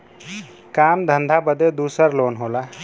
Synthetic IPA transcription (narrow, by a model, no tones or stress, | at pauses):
kaːmd̪ʱə̃nd̪ʱabəd̪ed̪uːsəɾloːnɦoːla